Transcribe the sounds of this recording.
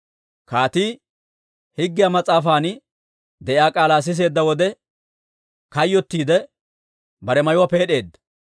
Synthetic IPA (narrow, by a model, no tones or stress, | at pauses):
kaːt̪iː | hɪɡːɪjamɐt͡sʼaːfaːn | d̪ɛʔɪaːkʼaːlaːs̬ɪs̬e̞ːd̪ːɐwɔd̪ɛ | kɐjːɔt̪ːiːd̪ɛ | bɐɾɛmɐjʊwape̞ːɗe̞ːd̪ːɐ̥